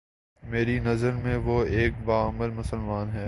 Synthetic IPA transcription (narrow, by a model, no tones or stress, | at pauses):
meːɾinɐzəɾmẽʋoeːk̚baːɐməlmʊsəlmaːnɦɛː